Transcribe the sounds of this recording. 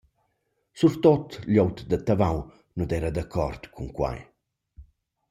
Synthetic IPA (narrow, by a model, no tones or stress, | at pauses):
suɾt̪ot̪ljɔwt̪d̪ət̪avaw | nud̪ɛɾad̪akʰɔ̰rt̪kʰuŋkwa̰j